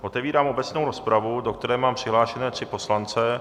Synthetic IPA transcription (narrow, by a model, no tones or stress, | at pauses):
ʔo̞t̪ɛviːɾaːmo̞bɛt͡sno̞wɾo̞spɾavudokt̪ɛɾɛːmaːmpr̥ɪɦlaːʃɛnɛːt̪r̥ɪpo̞slant͡sɛ